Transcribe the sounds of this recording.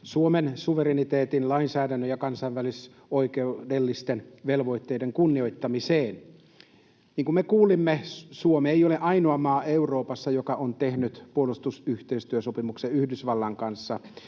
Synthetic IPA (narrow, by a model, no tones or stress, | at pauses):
suomensuʋeɾenit̪eːt̪inlɑinsæːdænːøjɑkɑnsɑiʋʋælis | oikeudelːist̪enʋelʋo̞it̪ːeideŋkunːio̞it̪ːɑmiseːn | niːŋkumekuːlimːesuomeejoleʔɑinoɑmɑːeuroːpɑsːɑjokɑʔont̪ehnyt̪puolust̪usyht̪eist̪yøsopimukseyhdysʋɑlːɑŋkɑnsːɑ